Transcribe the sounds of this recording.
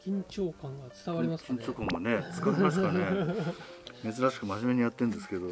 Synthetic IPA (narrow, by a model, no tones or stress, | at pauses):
kʲĩɲ̟t͡ɕoːkãŋɡat͡sɨ̥t̪aβaɾʲimakʲĩɲt͡ɕo̞ːkãane̞t͡sɨ̥kaɾemasɨ̥kane | me̞zɨɾaɕi̥kɯmaʑime̞ɲijat̪ːẽnd̪e̞sɨ̥ke̞d̪o̞